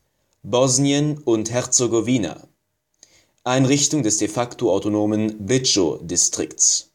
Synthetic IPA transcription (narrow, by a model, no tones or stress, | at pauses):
bɔzniənʊnthɛʁt͡soɡoviːna̰ | ʔaɪnʁɪçtʊŋdɛsd̥efaktoaʊtonoːmənbʁɪt͡ʃo̰dɪstʁ̥ɪkts